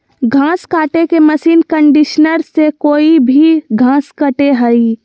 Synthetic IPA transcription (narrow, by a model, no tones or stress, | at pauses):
ɡʱãːskaːʈekemɐsiːnkə̃ɳɖɪʃnəɾsekoːibʱiɡʱãːskəʈeɦəi